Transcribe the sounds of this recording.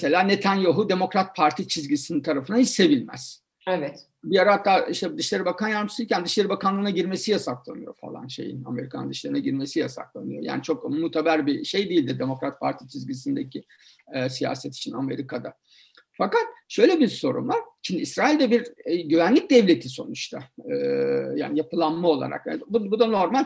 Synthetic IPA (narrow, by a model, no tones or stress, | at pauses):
mese̞lʲaːnet̪ʰænjoɦud̪e̞mo̞kɾat̪̚pʰaɾt̪ʰit͡ʃʰizɟisinint̪ʰaɾafɯnahit͡ʃse̞vilʲmæ̰z̥ | evɛt̪ | bijaɾat̪ʰːaːiʃt̪ʰɛd̪ɯʃlʲeɾibakʰanjaɾmɯsilcʲænd̪ɯʃlʲeɾibakanlˠɯːnaɟiɾme̞sijasaklˠa̰nɯjo̞̰fa̰lˠa̰nʃḛjḭna̰me̞ɾikʰand̪ɯʃlʲˠeɾnaɟiɾme̞sijasa̰klˠa̰nɯjo̞̰ja̰ːnit͡ʃʰo̞kmuːt̪ʰebæɾbiʃejd̪eilʲd̪id̪emo̞kɾat̪̚pʰaɾt̪ʰit͡ʃʰizɟisind̪ecʰi | ɛsija̰ːsɛt̪ʰi̥t͡ʃʰiname̞̰ɾikʰad̪a | fakat̪ʃø̞jlʲebiɾso̞ɾṵmvaɾ̥ʃimd̪iisɾaːilʲd̪ɛbiɾɟyvænlʲic̚d̪ɛvlʲe̞t̪ʰiso̞̰nut͡ʃt̪ʰaɯːja̰ːnijapʰɯlˠanmao̞lˠa̰ɾa̰kja̰bubud̪ano̞ɾmalʲ